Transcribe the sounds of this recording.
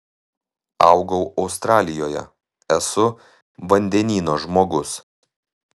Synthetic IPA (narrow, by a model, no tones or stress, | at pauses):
ɐ̰ʊɡɐʊʔɒʊst̪ɾɑːlʲɪjoːjɛ̰ | ɛsʊ | ʋɐnʲd̪ʲɛnʲiːnoːʒmoːɡʊs